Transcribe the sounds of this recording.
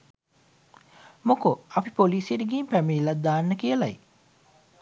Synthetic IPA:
mokoɐpipoliːsjeɾiɡiːmpæmiːlːat̪̚d̪aːnːəkijəlaj

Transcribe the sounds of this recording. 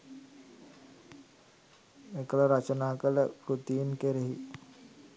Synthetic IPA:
ekələɾət͡ʃənaːkələkɾut̪iːnkeɾeɦi

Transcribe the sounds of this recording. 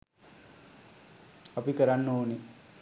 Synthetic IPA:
ɐpikəɾanːəuni

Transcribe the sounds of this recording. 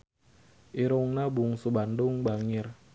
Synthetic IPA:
ʔiɾʊŋnabuŋsubandʊŋbaŋɪr

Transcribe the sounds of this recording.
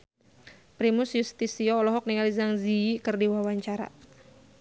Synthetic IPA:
pɾimusjust̪isiɔːlɔɦɔk̚niŋalizaŋziikɨrdiwawaɲt͡ʃaɾa̰

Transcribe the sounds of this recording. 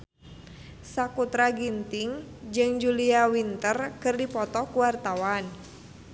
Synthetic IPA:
sakut̪ɾaɡint̪iŋd͡ʒɨŋd͡ʒuliawint̪ərkɨrdipɔt̪ɔkuwart̪awan

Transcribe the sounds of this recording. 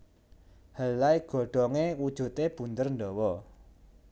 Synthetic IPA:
həlaiɡ̥ɔ̤ɖ̥ɔŋewud̥ʒ̥ṳt̪eb̥ṳnt̪ərɳɖɔwɔ

